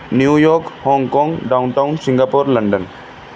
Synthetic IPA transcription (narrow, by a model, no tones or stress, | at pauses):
njujɔːkhɔ̃ŋɡkɔ̃ŋɡɖaʊnʈaʊnsɪ̃ŋɡaːpoɾləɳɖən